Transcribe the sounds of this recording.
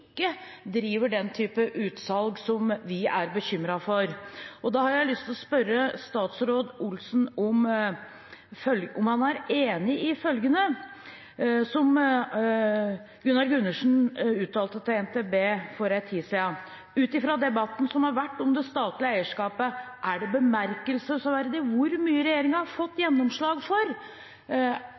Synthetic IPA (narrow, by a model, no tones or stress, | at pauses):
kːəd̪ɾiːʋəɖɛnt̪ʰyːpəʔʉːt̪sɑlɡsɔmʋɪæɾbəçʏmɾɑfɔɾɔd̪ɑhɑɾjæɪlʏst̪ʰɪlɔspœɾːəst̪ɑːt̪sɾoːd̪ʊlsn̩ɔm | fœlɔmhɑnæɾeːnɪɪfœlɡənə | sɔm | ɡʉnːɑɾɡʉnːəʂn̩ʉːt̪ʰɑːlt̪ət̪ʰɛɛnt̪ʰeːbeːfɔɾæt̪ʰːiːsɛɑ | ʉːt̪ɪfɾɑd̪ɛbɑt̪ːn̩sɔmhɑɾʋæʈːɔmd̪ɛst̪ɑːt̪lɪəæɪəʂkɑːpəʔæɖɛbəmæɾkəlsəsɔʋæɾd̪ɪʋʊɾmyːəɾɛjeːɾɪŋəɾhɑɾfɔt̪ːjɛnːɔmʂɭɑːɡfɔɾ